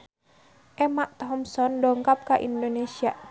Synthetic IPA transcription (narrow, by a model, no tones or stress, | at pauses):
ʔɛmaʔt̪ɦɔmsɔndɔŋkap̚kaʔḭndonesia